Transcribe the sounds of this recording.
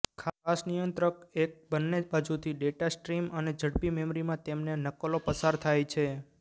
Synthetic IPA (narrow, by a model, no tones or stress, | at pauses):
kʰaasnijənt̪ɾəkek̚bənːebad͡ʒut̪ʰiɖeʈasʈɾiməned͡ʒʱəɽpimemɾimãt̪emnenəkːəlopəsaɾt̪ʰajt͡ʃʰe